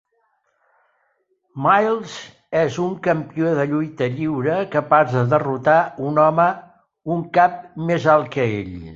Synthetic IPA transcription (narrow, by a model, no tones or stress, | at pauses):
majlˠz | ɛzuŋkəmpioðəʎujt̪əʎiwɾəkəpazðəðərut̪aunɔmə | uŋkap̚mezalˠkəḛʎ